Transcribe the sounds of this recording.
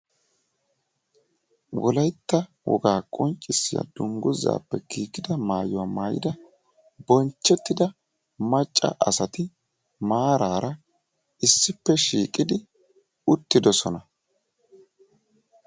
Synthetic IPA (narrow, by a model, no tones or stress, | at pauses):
wɔlɐjt̪ːɐ | wɔ̰ɡaːkʼɔnt͡ʃʼːɪsːɪja̰d̪̥ʊŋɡʊza̰ːpːɛkiːkːɪd̪ɐmaːjʊwamaːjɪ̰d̪ɐ | bɔnt͡ʃːɛt̪ːɪd̪ɐ | mɐt͡ʃʼːɐ̰ʔɐsɐt̪ɪ | maːɾaːɾɐ | ɪsːɪpːɛʃiːkʼɪd̪ɪ | ʊt̪ːɪd̪ɔsɔnɐ